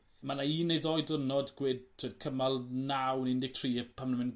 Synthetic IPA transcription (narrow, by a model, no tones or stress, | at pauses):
manaiːnejðɔɨdənɔdɡ̥wɪd̚tʰoːdkʰəmalˠnawnɪndɪɡ̚tʰriːpʰamnəmɪn